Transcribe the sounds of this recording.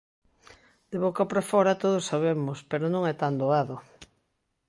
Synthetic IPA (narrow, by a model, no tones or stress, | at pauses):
d̪̥eβokopɾafɔɾat̪oð̞osːaβemʊspeɾonõŋɛt̪and̪oaðo